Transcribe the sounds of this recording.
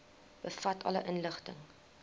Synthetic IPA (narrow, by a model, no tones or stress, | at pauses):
b̥əfɐtʰɐ̰ləʔənləχtəŋ